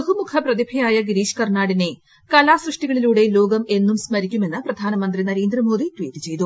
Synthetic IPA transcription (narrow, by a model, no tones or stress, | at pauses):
ɦumukʰɐprɐðibʱɐjaːjɐɡiɾiːʂkɐrɳaːɽine̞ | kɐlaːsrɨʂʈiɣɐɭiluːɽe̞lo̞ːɡɐme̞nːumsmɐɾikʲːume̞nːɨprɐd̪ʱaːnɐmɐnd̪rinɐɾe̞ːnd̪rɐmo̞ːd̪ʱitwiːtːɨt͡ɕe̞jt̪u